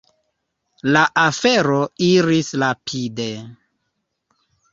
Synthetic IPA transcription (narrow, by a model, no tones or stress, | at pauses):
laʔafeɾoiɾisɾapʰide